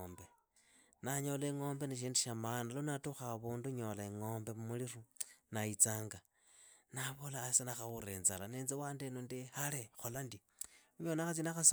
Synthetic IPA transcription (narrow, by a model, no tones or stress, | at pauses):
mbe | naɲo̞leŋo̞ːmbeneʃ̬iːndiʃamanalonatuxaβuːnduɲo̞laeŋo̞ːmbe̞mumulirunait͡saːŋɡa | naβolaːsenaxauɾenzalaneːnzewaːndenondihalexolandi | uɲonaxat͡sinaxas